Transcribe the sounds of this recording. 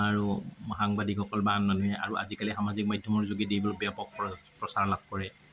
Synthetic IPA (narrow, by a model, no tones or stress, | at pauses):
aɹuxaŋbadikxɔkɔlbaɦanmanuɦɛʔa̰ɹuʔa̰zikalixamazik̚madʱjɔmɔɹzoɡidijbɔlobijapɔk̚pɹɔsaɹlab̚kɔɹɛ